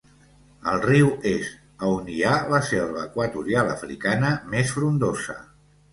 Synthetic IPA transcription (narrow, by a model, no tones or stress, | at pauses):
əlˠriwez | əunialəsɛlβəːkwət̪uɾijalˠə̰fɾḭkanəmesfɾund̪ozə̰